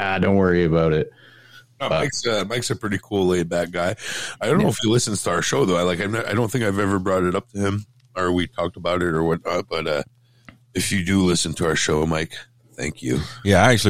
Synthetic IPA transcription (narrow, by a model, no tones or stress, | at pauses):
aɪdõʊ̃nʔ̚wɜ˞iɨbaʊɾɪt̚ | noaɪksʌmaɪksɨpʰɹ̥ɪɾikʰulˠleɪbæt̚ɡ̥aɪaɪdõʊ̃noʊɨfjɨlɪsɨ̃n̩z̥tʰəʊə˞ʃoʊðoʊaɪlaɪkaɪvnaɪɾõʊ̃nθɪ̃ŋkaɪvɛvə˞bɹɔɾɨɾʌp̚tʰɨɪ̃m | ə˞witʰɔk̚təbaʊɾɨɾə˞wʌtⁿnɑt̚b̥ʌɾʌ | ɨfjɨdɨlɪsn̩tʰɨaʊə˞ʃoʊmaɪk | θæ̰̃ŋkʰjʉ̰jæaɪæk̚t͡ʃʉl̩ˠi